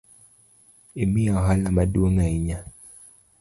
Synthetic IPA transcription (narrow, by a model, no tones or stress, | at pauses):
imiaɦalamaɗuoŋaiɲa